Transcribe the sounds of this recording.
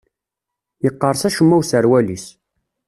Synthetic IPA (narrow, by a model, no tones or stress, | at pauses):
jəqːəɾˤsæʃəmːæwsəɾwælis